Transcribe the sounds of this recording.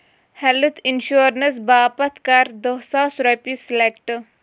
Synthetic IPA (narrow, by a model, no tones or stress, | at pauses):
hɛlt̪ʰinʃuːɾnɐs̬baːpɐt̪ʰkɐɾd̪əsaːsɾɐpislekʈ